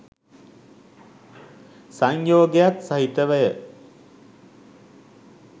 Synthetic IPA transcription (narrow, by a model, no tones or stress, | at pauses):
saɲjoːɡejat̪saɦit̪əʋæjə